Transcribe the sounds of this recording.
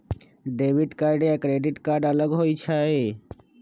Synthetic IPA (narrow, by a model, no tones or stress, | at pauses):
ɖebʱiɖkaɾɖeɛkɾeɖiʈkaɾɖələɡɦojt͡ʃʰae